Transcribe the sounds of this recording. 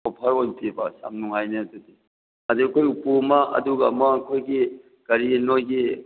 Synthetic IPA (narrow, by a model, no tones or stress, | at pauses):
opʰɐɾojtibɐsa̰mnuŋajneɐtudi | ɐduɐkʰojupumɐʔɐ̰duɡa̰mɐːkʰojɡi | ɡ̥ɐɾinojɡi